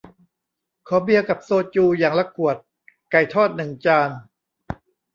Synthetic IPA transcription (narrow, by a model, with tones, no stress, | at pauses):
kʰɔː˨˩˦bi˧əka˨˩p̚soː˧t̪̚t͡ɕuː˧jaː˨˩ŋla˧kːu˨˩ət̪̚ | ka˨˩jt̪ʰɔː˥˩t̪̚nɯ˨˩ŋt͡ɕaː˧n